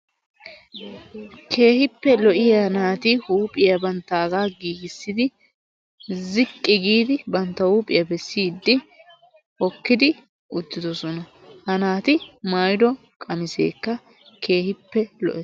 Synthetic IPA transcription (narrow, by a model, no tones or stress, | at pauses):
kʰe̞ːhɪpːɛlɔʔɪjanaːt̪ɪhuːpʼɪjɐbɐnt̪ːaːɡaːɡiːɡɪsːɪd̪ɪ | zɪkʼːɪɡiːd̪ɪbɐnt̪ːɐhuːpʼɪjɐbɛsːiːd̪ːɪ | hɔkːɪd̪ɪ | ʔʊd̪ːɪd̪ɔsɔnɐ | hɐnaːt̪ɪmaːjd̪ɔ | kʼɐmɪse̞̰ːkːɐ | kʰe̞ːhɪpːɛlɔ̰ʔɛ